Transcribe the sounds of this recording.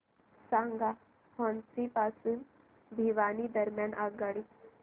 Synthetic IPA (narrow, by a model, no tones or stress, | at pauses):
saŋɡa | hɔnsipasuːn | bʱiʋanid̪əɾmjanaɡaɽi